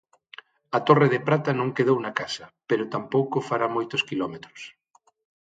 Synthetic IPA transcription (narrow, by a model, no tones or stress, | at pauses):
ɐt̪oreðepɾat̪ɐnõŋkeðownɐkasɐpeɾʊt̪ampowkofaɾamojt̪oskilɔmet̪ɾʊ̥s